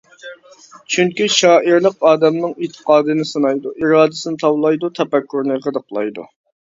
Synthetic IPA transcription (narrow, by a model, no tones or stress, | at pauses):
t͡ʃʰyŋkʲiʃɑːiɾlˠəqɑːd̪ɛmnɨŋit̪ʰːə̥qɑːd̪ɨnɪsɨnɑjd̪uʔiɾɑːd̪ɪsɨnɪt̪ʰɑwlˠɑjd̪ut̪ʰɛpɛkʲʰːuɾnɨqəd̪əqlˠɑ̰jd̪ṵ